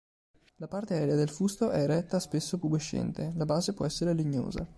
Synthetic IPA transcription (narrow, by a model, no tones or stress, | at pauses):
lapart̪eɛːɾead̪elfust̪oʔɛɾɛt̪ːaspesːopuɡeʃːɛ̰nt̪elabaːzepwɔ̰ɛsːeɾeliɲːo̰ːza̰